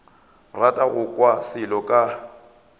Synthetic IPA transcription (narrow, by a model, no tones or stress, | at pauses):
ratʼaɣʊkʼwasɪlɔkʼa